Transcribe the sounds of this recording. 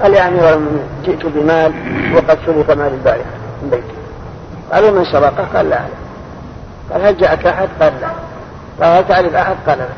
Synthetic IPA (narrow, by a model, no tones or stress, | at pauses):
qɑljaʕmiɾamɪd͡ʒɪʔt̪ʊbɪmaːlwɑqɑd̪ʃʊlɪqamaːlɪlbaːɾɪamɪnbajt̪ɪ̥ | qɑ̰ːlwmɪnsɑbɑqɑqɑ̰ːlːa̰ʕa̰la | qɑ̰ːlhald͡ʒaʔakʔaħad̪qɑːlla | qɑːlhalt̪aʕɾɪfʔaħad̪qɑːlalak